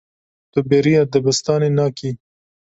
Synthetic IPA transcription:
t̪obeɾijad̪əbɪst̪ɑnenɑkʰi

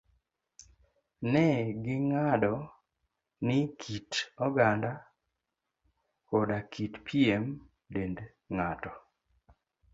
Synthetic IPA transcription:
nɛɡɪŋadɔ | nɪkʰitɔɡanda | kodakʰitpʰiem | dend | ŋatɔ

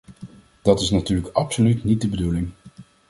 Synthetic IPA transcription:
d̥ɑtɪsnatyːɹləkɑpsolytnit̚dəbədulɪŋ

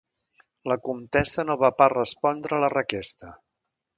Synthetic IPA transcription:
ləkumt̪ɛsənoβaparəspɔnd̪ɾələrəkɛst̪ə

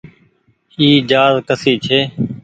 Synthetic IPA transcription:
iːd͡ʒaːzkəsiːt͡ʃʰeː

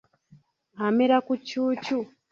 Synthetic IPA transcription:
amiɾakut͡ʃuːt͡ʃu

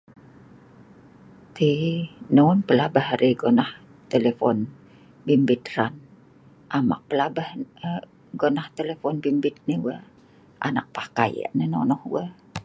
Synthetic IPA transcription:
t̪inounpəlabahɾiɡonah | t̪elefɔn | bimbɪt̪ran | ʔama̰k̚pəlabah | ɡonaht̪elefɔnbimbɪt̪̚niwa | ʔa̰nak̚pahkaja̰ʔnənonɔhwa

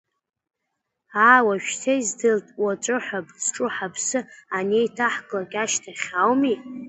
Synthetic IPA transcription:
aːwaʃᶣtʰaizdɨltʼwat͡ʃʷʼʊħʷabʰʼzʈ͡ʂʼʊħapʰsɨanejtʰaħkʼlakʲʼaʃtʰaχʲawmi

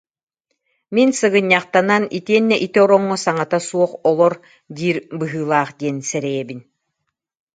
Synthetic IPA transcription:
minsɯɡɯɲːaχt̪ananit̪iɛnːɛʔit̪iɔɾɔŋːɔsaŋat̪asuɔχɔlˠɔɾ | d̪iːɾbɯɦɯːlˠaːχd̪iɛnsɛɾɛjɛbin

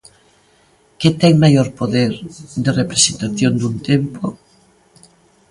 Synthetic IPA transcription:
ket̪ɛŋmajoɾpoðeɾd̪erepɾesent̪aθjond̪unt̪empo

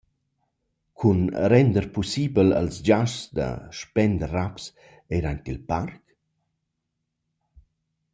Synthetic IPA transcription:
kʰunɾɛnd̪əɾpusibələ̰lsd͡ʒaʃsd̪ə̰ʃpɛnd̪əraps | eɾant̪ilpark

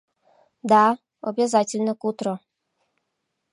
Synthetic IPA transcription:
d̪a | obʲɛzatʲɪlʲnəkut̪ɾɔ

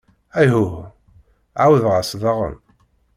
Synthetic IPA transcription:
æjɦu | ʕawəðʁasðˤɑʁə̰m

